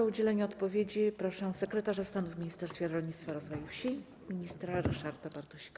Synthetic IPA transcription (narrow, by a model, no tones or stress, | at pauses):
ɔud͡ʑɛlɛɲɛɔt̪pɔvʲjed͡ʑipɾɔʂɛw̃sɛkɾɛt̪aʐast̪anuvmʲiɲist̪ɛɾst̪fʲjɛɾɾɔlɲʲit̪t̪faɾɔzvɔjufɕi | mʲiɲist̪ɾaɾɛʂaɾt̪abaɾt̪ɔɕi̥ka